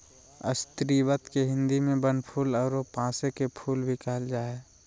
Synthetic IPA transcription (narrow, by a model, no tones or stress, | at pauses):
ə̰st̪ɾiʋət̪keɦɪ̃nd̪imẽbənpʰuːlɔːɾopãːsekepʰuːlbʱikəld͡ʒaːeː